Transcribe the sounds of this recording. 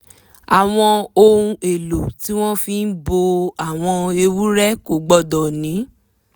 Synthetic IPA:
a˨w̃ɔ̃˧o˧ɾũ˧e˨lo˨ti˨˦w̃ɔ̃˦fĩ˧n̩˦bo˧a˨w̃ɔ̃˧e˧wu˦ɾɛ˦ko˨ɡ͡bɔ˦˨dɔ˨nĩ˨˦

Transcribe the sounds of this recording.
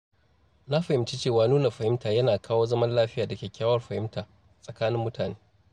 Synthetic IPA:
na˦ɸɐ˨hɪ˨mt͡ʃi˦t͡ʃeː˦˨waː˨nuː˦na˨ɸɐ˨hɪ˦mtaː˨jɐ˦naː˨kʰaː˦woː˦zɐ˦mɐ˦nlaː˦ɸɪ˦jaː˨dɐ˨kʲeː˨kʲaː˦wɐ˦rɸɐ˨hɪ˦mtaː˨ | sʼɐ˨kaː˦nɪ˦mːʊ˦tʰaː˨neː˦

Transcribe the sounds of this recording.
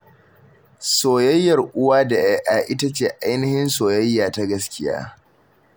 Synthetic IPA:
soː˨jɐ˦jːɐ˨rʔʊ˦waː˦da˨jɛ˦ʔaː˨ʔɪ˦ta˦t͡ʃeː˨ʔa˦jnɪ˦hɪ˦nsoː˨jɐ˦jːaː˨ta˦ɡɐ˦skʲɪ˦ja̰ː˦

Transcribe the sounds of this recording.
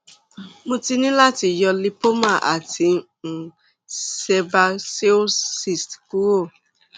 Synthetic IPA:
mõ˧ti˧nĩ˦la˦˨ti˧jɔ˧li˦po˦mã˦˨ʔa˨ti˨˧˨ | sɛ˧ba˧se˦o˦si˨stku˦o˦˨

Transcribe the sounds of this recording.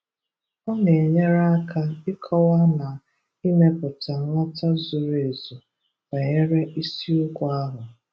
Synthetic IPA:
ɔ˦ne˨e˨ɲe˦ɾa˦a˦kʰa˦ɪ˦kʰɔ˦wa˦na˨ | i˦me˦pʊ˨ta˨ŋʷa˦ta˦zʊ˨ɾe˨zu˨ | ba˨ɲe˦ɾe˦ʔi˦si˦ʊ˦kʷa˦ɦʊ˨

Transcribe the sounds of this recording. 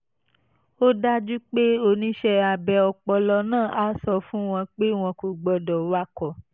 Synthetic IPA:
o˦da˦d͡ʒu˦k͡pe˦o˧˨nĩ˧˦ʃɛ˧a˨bɛ˨ɔ˨k͡pɔ˧lɔ˧nãː˦˨ʔa˨˦sɔ˧fũ˦w̃ɔ̃˧k͡pe˦w̃ɔ̃˧ku˨ɡ͡bɔ˧dɔ˨wa˦kɔ˨

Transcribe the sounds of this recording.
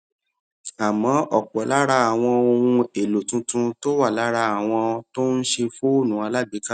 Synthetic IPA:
a˨mɔ̃˨˦ʔɔ˨k͡pɔ˨˦la˦ɾa˧a˨w̃ɔ̃˧o˧wũ˧e˨lo˨tũ˧˦tũ˧to˦wa˦˨la˨˦ɾa˧a˨w̃ɔ̃˧to˦n̩˦ʃe˧fu˦o˦˨nũ˨˦a˧la˦bi˨˦ka˦

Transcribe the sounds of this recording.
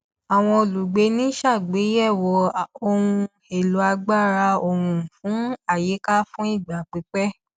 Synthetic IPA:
a˨w̃ɔ̃˧o˨lu˨ɡ͡be˧˦nĩ˦ʃa˦˨ɡ͡be˨˦jɛ˦˨wɔ˧o˧wũ˧ | e˨lu˨˦a˧ɡ͡ba˦˨ɾa˧o˧˨ɾũ˧˨fũ˨˦a˦˨je˨˦ka˦fũ˦i˦˨ɡ͡ba˨k͡pi˨˦k͡pɛ˦

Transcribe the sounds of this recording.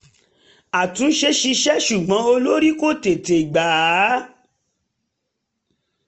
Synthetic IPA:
a˨tũ˨˦ʃe˧ʃi˧ʃɛ˦ʃu˨ɡ͡bã˨˦o˧lo˦ɾi˦ko˦˨te˨te˨ɡ͡ba˨˦

